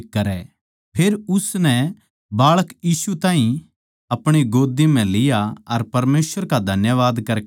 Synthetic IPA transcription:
ɐɾɛ | pʰeːɾʊsnɛ | baːɭəkjiːsut̪ãːĩ | ɐpɽ̃iɡoːd̪im̤ɛ̃lɪjaɐɾpɐɾmeːsʋəɾkad̪ʱɐnjəʋaːd̪kɐɾ

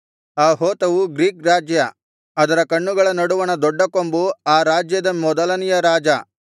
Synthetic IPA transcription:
aːɦoːt̪ɐʋuɡɾiːkɾaːd͡ʒjɐ | ɐd̪ɐɾɐkɐɳːuɡɐɭɐnɐɽuʋɐnɐd̪ɔɖːɐkombuaːɾaːd͡ʒjɐd̪ɐmɔd̪ɐlɐnijɐɾaːd͡ʒɐ

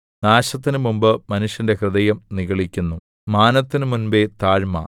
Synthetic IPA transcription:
naːɕɐt̪ːinɨmumbɨmɐnuʂjɐnde̞krɨðɐjɐmniɣɐɭikʲːunːu | maːnɐt̪ːinɨmunbet̪aːɻmɐ̰

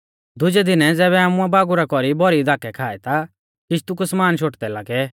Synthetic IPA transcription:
d̪ʊd͡ʒɛd̪ɪnɛd͡zɛːβɛaːmʊ̃abaːɡuɾakɔɾibɔɾid̪aːkɛkʰaːɛt̪a | kɪʃt̪ukʊsmaːnʃ̬ʰoːʈd̪ɛlaːɡɛ

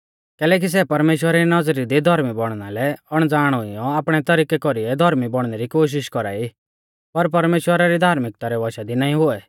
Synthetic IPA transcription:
kɛːlɛːk̬is̬ɛpɐɾmeːʃwəɾaɾinɐd͡zɾid̪id̪ʱɔɾmibɔɽ̃nalɛɐɽ̃d͡zaːɽ̃ʊijɔaːpɽ̃ɛt̪ɐɾiːkɛkɔɾiɛd̪ʱɔɾmibɔɽ̃nɛɾikoːʃ̬ɪʃkɔɾa̰ːi | pɐɾp̬ɐɾmeːʃwəɾaɾid̪ʱaːɾmɪk̚t̪aɾɛʋɔʃad̪inaːĩɦʊɛ

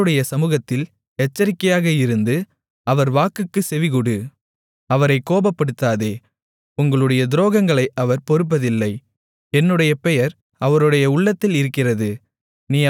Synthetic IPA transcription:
ɯɽɐjɐsɐmuːɣɐt̪ːɪl | ɛt͡ʃːɐɾɪkːɐjaːɣɐɪɾɯnd̪ɯ | ɐʋɐɾʋaːkɯkːɯsɛʋɪɣʊɽɯ | ɐʋɐɾɐɪkːoːbɐpːɐɽɯt̪ːaːðeː | ʊŋɡɐɭɯɽɐjɐd̪ɪɾoːɣɐŋɡɐɭɐɪʔɐʋɐɾpɔɾɯp̬ːɐðɪlːɐɪ | ɛnːɯɽɐjɐpɛjɐɾ | ɐʋɐɾɯɽɐjɐʊɭːɐt̪ːɪlɪɾɯkːɪrɐðɯ | niː

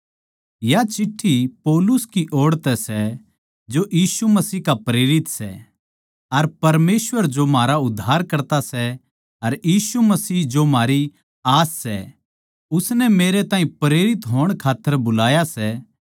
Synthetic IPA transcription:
jat͡ʃɪʈʰːipɔːlʊskiʔoːɽt̪ɛsɛ | d͡ʒojiːsumɐsiːkapɾeːɾɪt̪sɛ̰ | ɐɾpɐɾmeːsʋəɾd͡ʒomaːɾaʊd̪ʱːaːɾkɐɾt̪asɛ | ɐɾjiːsumɐsiːɦd͡ʒomaːɾi | aːsːɛ̰ | ʊsnɛmeːɾet̪ãːɦĩpɾeːɾɪt̪ɦoːəɽ̃kʰaːt̪ːəɾbʊlaːjasɛ

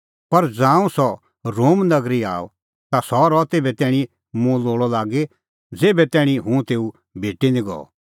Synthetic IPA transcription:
pɐɾd͡zãːũsɔ | ɾoːmnɐɡɾia̰ːɔ̰ | t̪asɔɾɔt̪eːbɛt̪ɛːɽ̃i | mũloːɭɔlaːɡe | d͡zeːbɛt̪ɛːɽ̃ĩɦũt̪eːu | bʱeːʈinĩɡɔ̰ɔ̰

